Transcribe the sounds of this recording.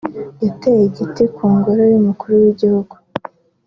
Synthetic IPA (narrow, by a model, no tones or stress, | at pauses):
jatejeɟitikʰuːŋɡoɾojumukuɾuwiɟihuɡ̥u̥